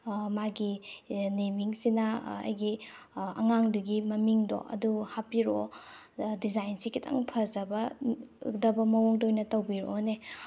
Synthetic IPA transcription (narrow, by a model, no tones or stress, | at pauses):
maɡinemiŋsinɐɐ̰jɡiɐ̰ŋaŋduɡimɐmiŋdo̰ʔɐ̰duhapiɾo | dizajnsikʰitʰa̰ŋpʰɐzɐbɐɯ̰k̚dɐbɐmɐwoŋdojnɐtɐwbiɾone